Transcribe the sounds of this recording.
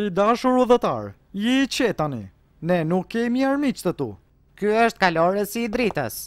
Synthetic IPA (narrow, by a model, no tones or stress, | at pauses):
id̪aʃuɾuðət̪a̰ɾ | jɛit͡ɕɛt̪anḭ | nɛnukːɛmiaɾmit͡ʃt̪ət̪ṵ | kyəʃt̪̚kalɔɾəsid̪ɾit̪ə̰s